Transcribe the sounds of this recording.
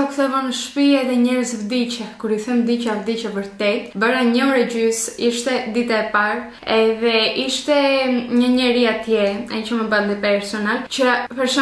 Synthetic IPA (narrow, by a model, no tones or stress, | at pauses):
akθɛvɔnəʃpiɛðɛɲɛɾəzvd̪it͡ʃɛkuɾiθɛmd̪it͡ʃavd̪it͡ʃɛvəɾt̪ɛt̪baɾaɲəɔɾɛɟysiʃt̪ɛd̪it̪aɛpaɾ | ɛðɛiʃt̪ɛɲəɲəɾiat̪jɛɛ̰t͡ʃəməbald̪ipɛɾsɔnalt͡ʃəpɛɾsɔ